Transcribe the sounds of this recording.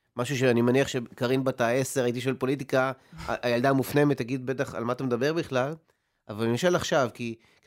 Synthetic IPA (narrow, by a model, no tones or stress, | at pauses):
maʃuʃeanimeniaχʃekaʁinbatae̞se̞ʁait̪̬iʃoelpo̞lit̬ika̰ʔajald̪amufne̞met̪haɡid̪̚be̞t̪̬aχa̰lmat̪amed̪abe̞ʁbiχlal | ʔavaliʃalaχʃavki